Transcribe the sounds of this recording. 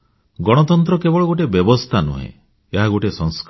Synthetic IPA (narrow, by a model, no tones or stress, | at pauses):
ɡɔɽ̃ɔt̪ɔnt̪ɾɔkebɔɭɔɡoʈebjɔbɔst̪ʰanṵɦḛ̃ | eɦaɡoʈesɔŋsk